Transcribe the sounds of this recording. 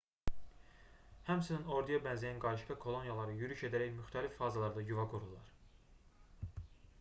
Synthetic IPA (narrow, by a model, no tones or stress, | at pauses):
hæmsinino̞ɾd̪ijɑbænzijænɡɑɾiʃkɑkʰo̞lˠo̞njɑlˠɑɾɯjyɾyʃe̞d̪æɾæjmyxt̪ʰælifːɑːzɑlˠɑɾd̪ɑɟyvɑɡuɾulˠɑ̰ɾ